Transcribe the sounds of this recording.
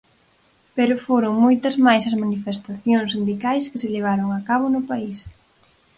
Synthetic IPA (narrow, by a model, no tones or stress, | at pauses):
peɾʊfoɾʊŋmojt̪ɐzmajsɐzmanifest̪aθjoŋsind̪ikajskɪseleβ̞aɾʊŋakaβʊnʊpais